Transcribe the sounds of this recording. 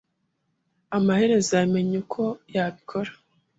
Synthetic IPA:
amahe̞ɾe̞zame̞ɲekʰo̞jaβikʰo̞ɾḁ

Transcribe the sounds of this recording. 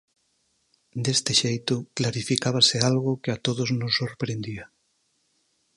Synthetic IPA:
d̪est̪ɪʃejt̪ʊklaɾifikaβ̞asɪalɣʊkeat̪oðoznosːoɾpɾend̪ia

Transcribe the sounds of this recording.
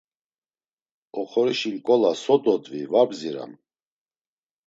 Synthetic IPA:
ɔχɔɾiʃinkʼɔlasɔd̪ɔd̪vivabziɾa̰m

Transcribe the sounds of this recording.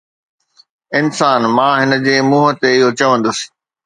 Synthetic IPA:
ɪnsaːnmãːɦɪnə̆d͡ʑeːmuːɦət̪eɪɦot͡ɕɐʋə̃nd̪əsɪ̥̆

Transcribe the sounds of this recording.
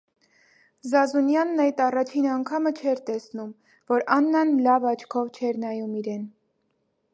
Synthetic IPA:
zɑzunjɑnːɑjt̪ɑrɑt͡ʃʰinɑŋkʰɑmət͡ʃʰɛɾt̪ɛsnum | vɔɾɑnːɑnlɑvɑt͡ʃʰkʰɔvt͡ʃʰɛɾnɑjumiɾɛn

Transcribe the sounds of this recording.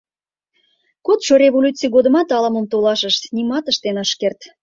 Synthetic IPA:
kot̪ʃoɾʲevolʲut͡sijɣod̪əmɑt̪ɑləməmt̪olɑʃəʃnimɑt̪əʃt̪enɑʃkert̪

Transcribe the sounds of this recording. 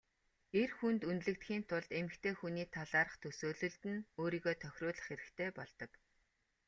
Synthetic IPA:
erxunt̪unt̪ɮɘ̆k̚t̪xʲiːnt̪ʰʊɮt̪emɘ̆kt̪ʰeːxuniːt̪ʰaɮaːɾə̆χt̪ʰɵsoːɮɵ̆ɮt̪ɘ̆noːɾiːɣoːt̪ʰœxʲrʊːɮə̆χeɾɘ̆kt̪ʰeːpɔɮt̪ɞ̆k

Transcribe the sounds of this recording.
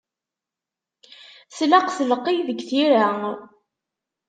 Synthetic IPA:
slaqθləqːijðəɡθiɾa

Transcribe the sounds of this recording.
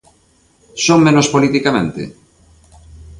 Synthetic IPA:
soŋmẽnospolit̪ikamẽnt̪ɪ̰

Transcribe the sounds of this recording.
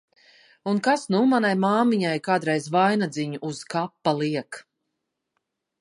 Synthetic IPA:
unkasnumanajmaːmiɲajkaːd̪ɾɛjzvajnad̪ziɲuʔːz̥kapːalˠiɛk

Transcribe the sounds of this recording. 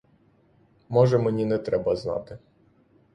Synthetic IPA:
mɔʒɛmenʲinɛt̪ɾɛbɐznɑ̰t̪ɪ

